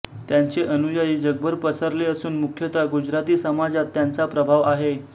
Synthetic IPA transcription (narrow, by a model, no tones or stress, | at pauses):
t̪jaɲt͡seʔənujajiːd͡zəɡ̚bʱəɾpəsəɾleəsuːnmukʰjət̪aɡud͡ʑɾat̪iːsəmad͡zat̪ːjant͡sapɾəbʱaʋaɦe